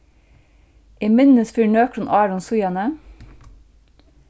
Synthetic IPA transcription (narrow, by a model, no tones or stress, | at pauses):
ʔiːmɪnəsfyːɳøːkʰɾʊnʔɑːɾʊnsʊjɑnə